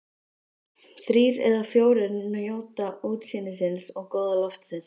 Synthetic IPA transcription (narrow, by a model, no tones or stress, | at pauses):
θɾiːɾɛ̰ðafjoːwɾɪnnʏjoːwt̪auːt̪siːnɪs̬ɪnsɔɣkɔːwðalɔft̪sɪns